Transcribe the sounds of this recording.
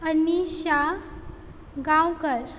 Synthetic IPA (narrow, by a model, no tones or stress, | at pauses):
əniɕa | ɡãwkəɾ